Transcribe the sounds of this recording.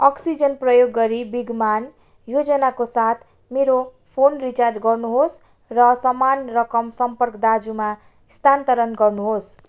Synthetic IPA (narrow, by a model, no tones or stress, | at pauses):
ʌksid͡zʌnprʌjoɡːʌɾibiɡman | jod͡zʌnakosat̪ʰ | meɾo | pʰonrit͡sard͡zɡʌrnuɦos | rʌsʌmanrʌkʌmsʌmpʌrkd̪ad͡zuma | ist̪ʰant̪ʌɾʌnɡʌrnuɦos